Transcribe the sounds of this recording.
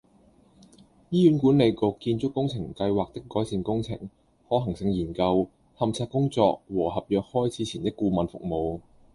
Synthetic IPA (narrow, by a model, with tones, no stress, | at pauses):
jiː˥jyː˨˥nkuː˨˥nle˨˧jko˨˧wkːiː˧nt͡ʃʊ˥kːʊ˥ŋt͡sʰɪ˨˩ŋkɐ˧jwaː˨k̚t̪ɪ˥kːɔː˨˥jsiː˧nkʊ˥ŋt͡sʰɪ̰˨˩ŋ | hɔː˨˥ɦɐ˨˩ŋsɪ˧ŋjiː˨˩nkɐ˧w | hɐ˨mt͡sʰaː˧k̚ːʊ˥ŋt͡sɔ̰ː˧k̚wɔː˨˩hɐ˨p̚jœː˨k̚hɔː˥jt͡sʰi˨˥t͡sʰiː˨˩nt̪ɪ˥kːuː˧mɐ˨nfʊ̰˨k̚mo˨˧w